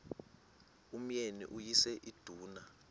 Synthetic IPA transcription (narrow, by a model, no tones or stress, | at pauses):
um̩jenḭʔujisɛʔid̥ʱuːna